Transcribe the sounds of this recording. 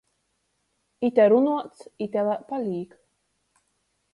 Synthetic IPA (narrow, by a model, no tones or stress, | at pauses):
it̪ʲɛɾunuɔt̪sit̪ʲɛlapalʲiːk